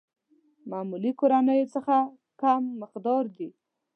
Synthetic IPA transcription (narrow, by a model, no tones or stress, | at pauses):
mamulikoɾanəjot͡səxa | kamːɪqd̪ɑɾd̪i